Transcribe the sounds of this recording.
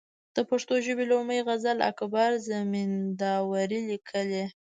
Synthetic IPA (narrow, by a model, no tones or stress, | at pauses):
d̪̥əpaʂt̪oʒəbelaməjɣazala̰kbaɾzamind̪ɑwaɾilikʰəle